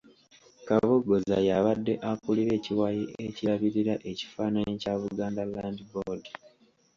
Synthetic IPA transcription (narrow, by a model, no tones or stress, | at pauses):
kaβoɡo̞za̰jaβadːe̞ʔakuliɾe̞ːciwajiʔeciɾaβiɾiɾaʔe̞ci̥faːnanecaːβuɡaːndalaːndibodi